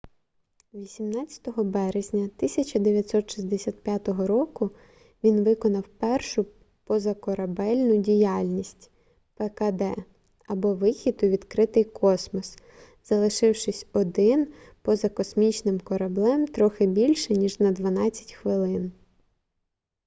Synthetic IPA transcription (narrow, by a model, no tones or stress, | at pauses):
ʋʲisʲimnɑt͡sʲɐ̥t̪ɔɦɔbɛɾezʲnʲɐt̪ɪsʲɐt͡ʃɐd̪eʋʲjɐt̪ʲsɔt̪ʃizʲd̪esʲat̪̚pʲjat̪ɔɦɔɾɔkʊ | ʋʲinʋɪkɔnɐwpɛrʃʊ | pɔzɐkɔɾɐbɛlʲnʊdʲijɑlʲnʲisʲtʲ | pekɐd̪ɛ | ɐbɔʋɪxʲid̪ʊʋʲid̪kɾɪt̪ɪjkʰɔsmɔs | z̥ɐlˠɪʃɪwʃɪsʲɔd̪ɪn | pɔzɐkɔsmʲit͡ʃnɪmkɔɾɐblˠɛmt̪ɾɔxɪbʲilʲʃɛnʲiʒnɐd̪ʋɐnɑt͡sʲːɐ̥tʲxʋɪlˠɪn